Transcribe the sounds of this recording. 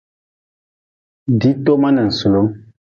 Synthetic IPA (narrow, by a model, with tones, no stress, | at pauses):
di˨˦to˦ma˦nɛ˨n̩˨su˨lo˨˦m